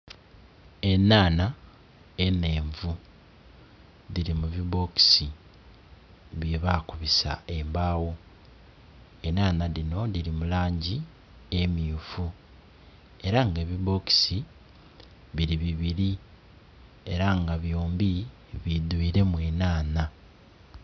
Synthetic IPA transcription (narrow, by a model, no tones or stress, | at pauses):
e̞naːna | ene̞ːɱvu | ðiɾimuβiβo̞ki̥si | βjeβakuβisa̰e̞mbaːwo | enaːnaɾino̞ðiɾimulaːɲɟi | e̞miufu | e̞ɾaŋɡe̞ːβiβo̞ki̥si | βiɾiβiβiɾi | e̞ɾaŋɡaβjoːmbi | βid̪wiːɾe̞mweːnaːna